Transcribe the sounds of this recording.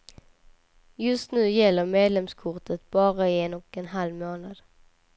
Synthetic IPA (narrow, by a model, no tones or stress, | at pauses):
jɵst̪nʉ̟ːjɛlːəɾmeːd̪lɛmskʰʊʈət̪̚bɑːɾaɪɛnɔkɛnɦalvmoːnad̪̥